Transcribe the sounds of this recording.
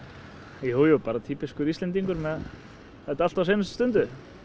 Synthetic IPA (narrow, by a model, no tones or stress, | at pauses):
juːwjuwpaːɾat̪ʰiːpiskʏɾist̪ɛnt̪iŋkʏɾmɛð | θɛht̪aalt̪awseːjnʏst̪ʏ̥st̪ʏnt̪ʏ